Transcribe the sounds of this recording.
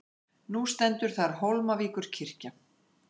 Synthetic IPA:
nust̪ɛnt̪ʏɾ̥θaɾ̥ɦowlmaviːkʏɾ̥cʰɪr̥ca

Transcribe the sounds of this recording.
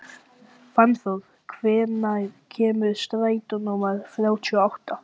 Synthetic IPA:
fanθoð | kʰvɛːnaðcʰɛːmʏɾst̪ɾaːjt̪unumaɾ̥θɾjaːwt̪ʰiɔawht̪a

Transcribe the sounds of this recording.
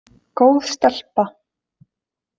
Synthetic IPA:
kowðst̪al̥pa

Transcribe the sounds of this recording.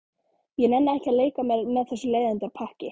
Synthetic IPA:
jɛnɛnːaɛhcaðleːjkamɛmɛðθɛsːʏleːjðɪnt̪aɾpʰahcɪ

